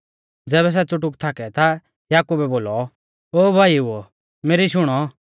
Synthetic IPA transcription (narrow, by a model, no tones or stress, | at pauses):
d͡zɛːβɛs̬ɛt͡sʊʈ̬ʊkt̪ʰaːkɛt̪ʰa | jaːkubɛboːlɔ | oːbʱaːiuɔ | meːɾiʃʊɽ̃ɔ